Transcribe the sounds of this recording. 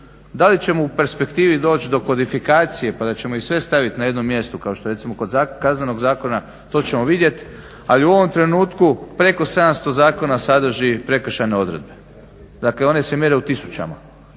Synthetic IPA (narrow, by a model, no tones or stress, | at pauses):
d̪alit͡ɕe̞moupe̞ɾspe̞kt̪iːʋid̪o̞ːt͡ɕd̪o̞kʋo̞d̪ifikaːt̪sije̞pad̪at͡ɕe̞moisʋe̞st̪aʋit̪naje̞d̪no̞mːje̞st̪ukao̞ʃt̪oe̞t̪simo̞kod̪zakkazneno̞ɡzaːko̞na | t̪o̞ːt͡ɕe̞mo̞ʋid̪je̞t̪ | aliuo̞ʋo̞mt̪ɾe̞nuːt̪kupɾe̞ko̞se̞d̪amst̪ozaːko̞nasad̪ɾ̩ʒipɾe̞kr̩ʃane̞o̞d̪ɾe̞̰d̪̚be̞ | d̪aːkleo̞ne̞semjeɾeut̪isu̥t͡ɕa̰ma̰